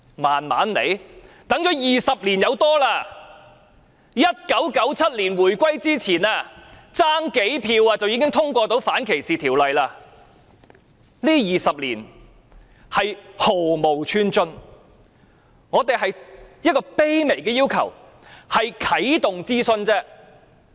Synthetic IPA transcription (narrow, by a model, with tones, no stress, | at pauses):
maː˨˩nma̰ː˨˥nlḛ˨˧jt̪ɐ˨˥ŋt͡ʃɔː˨˥jiː˨sɐ˨p̚liː˨˩njɐ˨˧wt̪ɔː˥laː˧ | jɐ˥t̚kɐ˨˥wkɐ˨˥wt͡sʰɐ˥t̚liː˨˩nwuː˨˩jkʷɐ˥jt͡siː˥t͡sʰiː˨˩naː˧t͡saː˥ŋke˨˥jpʰiː˧waː˧t͡sɐ˨wi˨˧˥kɪ˥ŋt̪ʰʊ˥ŋkʷɔː˧t̪o˨˥wfaː˨˥nkʰe˨˩jsiː˨t̪ʰiː˨˩wlɐ˨jlaː˧ | liː˥jiː˨sɐ˨p̚liː˨˩n | hɐ˨jho˨˩wmo˨˩wt͡ʃʰyː˧nt͡sɵ˧n | ŋɔː˨˧t̪e˨jɦɐ˨jjɐ˥t̚kɔː˧pe˥jme˨˩jkɛː˧jiː˥wkʰɐ̰˨˩w | hɐ˨jkʰɐ˨˥jt̪ʊ˨ŋt͡siː˥sɵ˧nt͡sɛː˥